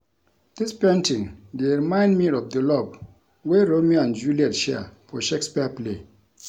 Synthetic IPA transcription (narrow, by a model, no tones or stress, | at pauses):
d̥ispẽntĩŋdeɹimãɪ̃ndmiɾɔvdəlɔb̚ | weɹomiãnd͡ʒuliɛtʃɛfɔʃekspiaplḛ